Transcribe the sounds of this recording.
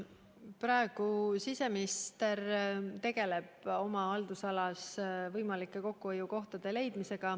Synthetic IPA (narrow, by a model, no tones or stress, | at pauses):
prɑe̞ɡ̥usise̞miist̪e̞rt̪e̞ɡ̥e̞le̞b̥o̞mɑɑld̪usɑlɑsvɤjmɑlikːˑe̞ko̞kːuojuko̞ht̪ɑd̪̥e̞le̞jd̪mise̞ɡ̥ɑ